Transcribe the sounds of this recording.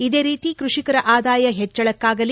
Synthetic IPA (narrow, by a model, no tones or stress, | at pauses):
id̪e̞ːɾiːt̪ikɾuʂikɐɾɐʔaːd̪aːjɐɦɛt͡ʃːɐɭɐkːaːɡɐl